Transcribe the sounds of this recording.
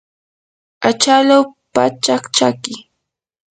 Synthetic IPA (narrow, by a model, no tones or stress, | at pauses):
at͡ʃalawpat͡ʃakt͡ʃakɪ